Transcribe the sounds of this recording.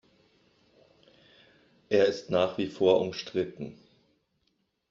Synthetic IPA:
ʔeːɐɪstnaːχv̥iːfoːɐʔʊmʃtʁ̥ɪtn̩

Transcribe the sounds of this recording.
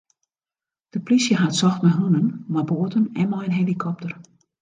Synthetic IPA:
d̥əplisjəɦatsɔxtmɛɦunənmaboətənɛnmɔjənɦelikʰɔp̚tər

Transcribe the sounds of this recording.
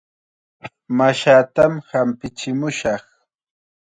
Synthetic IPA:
maʃaːt̪amhampɪt͡ʃɪmʊʃɑχ

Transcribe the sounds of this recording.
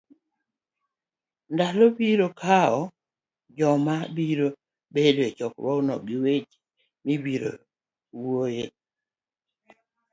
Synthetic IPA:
ndalɔbiɾokʰaɔ | d͡ʒɔmabiɾo | bedwet͡ʃɔkbɔunɔ̰ɡiwet͡ʃ | mibiɾo̰ | woje

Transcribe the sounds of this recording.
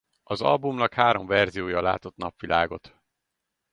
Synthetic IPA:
ɒzɒ̰lbumnɒkhaːɾo̞ɱvɛrzijoːjɒla̰ːt̪o̞t̪nɒpʋilʔaːɡo̞̰t̪

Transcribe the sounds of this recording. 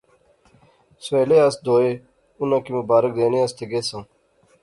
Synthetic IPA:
seːleːasd̪oːeː | unãːkiməbaːɾək̚d̪eːnẽɐst̪ʰeɡeːsãː

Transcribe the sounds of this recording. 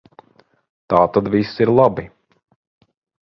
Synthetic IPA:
t̪aːt̪ad̪visiɾlˠabi

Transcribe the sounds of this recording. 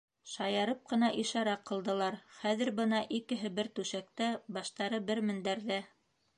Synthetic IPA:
ʃɑjɑɾɤp̚qɤ̆n̪ɑʔiʃɑɾɑqːɤ̆lˠd̪ɤ̆lˠɑɾχæðɘ̆ɾbɤnɑʔikɘ̆ɦɘbɘɾt̪ʉʃæk̚t̪æbɑʃt̪ɑɾɤbɘɾmɘ̆nd̪æɾðæ

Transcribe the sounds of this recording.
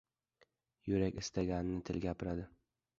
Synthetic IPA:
jʊɾakʲɪst̪ʰaɡʲanɪnɪt̪ʰɪlɡʲapɪɾad̪ɪ

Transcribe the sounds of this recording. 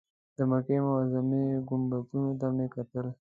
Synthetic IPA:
d̪̥əmakemawazameɡʊmbakunod̪amekat̪əl

